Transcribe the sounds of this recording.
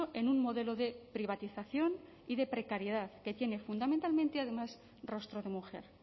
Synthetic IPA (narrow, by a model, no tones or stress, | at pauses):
oʔe̞nunmo̞ðe̞lo̞ðe̞pɾiβ̞at̪iθaθjo̞n | iðe̞pɾekaɾjeð̞aðke̞t̪je̞ne̞fund̪ament̪alment̪eað̞e̞mas | ro̞st̪ɾoð̞e̞muxe̞̰ɾ